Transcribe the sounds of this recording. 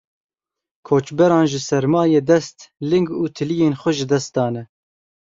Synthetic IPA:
kʰoːt͡ʃbɛɾɑːnʒɨsɛɾmɑːjeːd̪ɛst̪lɪŋɡuːt̪ʰɨlijeːnxʷɛʒɨd̪ɛst̪̚d̪ɑːnɛ

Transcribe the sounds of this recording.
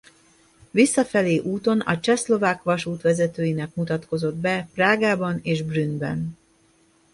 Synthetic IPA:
visːɒfɛleːʔuːt̪o̞nɒ̰t͡ʃɛslo̞vaːkʋɒʃuːt̪ʋɛzɛt̪øːjinɛkmut̪ɒt̪ko̞zo̞d̪bɛpraːɡaːbɒneːʒbrynbɛ̰n

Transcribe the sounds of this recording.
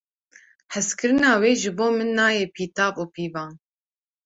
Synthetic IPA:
ħɨskʰɨɾɨnɑːweːʒɨboːmɨnːɑːjeːpʰiːt̪ɑːvuːpʰiːvɑːn

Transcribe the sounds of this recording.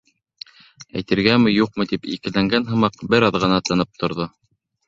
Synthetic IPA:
æ̰jt̪ɘ̆ɾɡæmɘ̆juqmɤ̆t̪ipḭkɘ̆læŋɡænɦɤ̆mɑqbɘɾɑðʁɤ̆nɑt̪ɤ̆nɤp̚t̪ʰŏɾðo

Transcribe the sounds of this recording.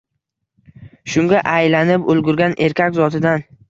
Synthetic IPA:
ʃʊŋɡʲaʔajlanɪpʊlˠɡʲʊɾɡʲanʔe̞ɾkʲakʲzɒt̪ʰɪd̪an

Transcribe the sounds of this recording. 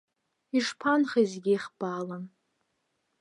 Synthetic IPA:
iʂpʰanχaizɡʲiiχb̥alan

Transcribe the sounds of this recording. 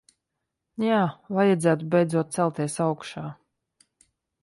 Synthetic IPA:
jaːvajad̪zæːt̪ubʲɛjd̪zuɔt̪̚sælˠt̪ʲiɛsawkʃaː

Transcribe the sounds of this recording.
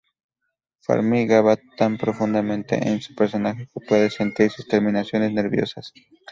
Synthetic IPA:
fa̰ɾmiɣaβat̪ampɾo̞fund̪amẽnt̪e̞̰ʔensu̥pe̞ɾso̞naxe̞kepwe̞ðese̞nt̪iɾsust̪eɾmĩnasjo̞ne̞sne̞ɾβjo̞̰sas

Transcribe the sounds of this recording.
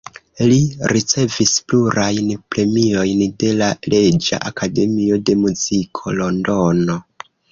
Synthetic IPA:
liɾit͡se̞vispluɾajnpɾe̞mio̞jnde̞lale̞d͡ʒa̰ʔakʰade̞mio̞de̞muzikʰo̞lo̞ndo̞no̞

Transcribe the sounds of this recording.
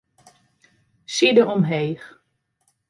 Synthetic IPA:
sidəɔmɦejχ

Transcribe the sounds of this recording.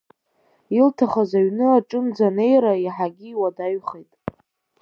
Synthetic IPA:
iltʰaχazaɥnɨaʈ͡ʂʼɨnd͡zane̞jɾaiħaɡʲiːwadaɥχejtʼ

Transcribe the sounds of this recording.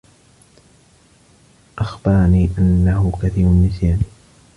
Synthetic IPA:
ʔaxbɑɾˤniːʔanːahʊkaθiːɾʊnmɪθiːn

